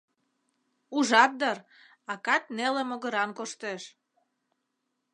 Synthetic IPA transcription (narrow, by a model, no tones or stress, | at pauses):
uʒɑt̪̚d̪ər | ɑkɑt̪̚nelemoɣə̆ɾɑnkoʃt̪eʃ